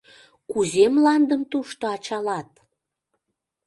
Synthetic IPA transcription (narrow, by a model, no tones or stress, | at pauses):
kuzemlɑnd̪əmt̪uʃt̪oɑt͡ɕɑlɑt̪̚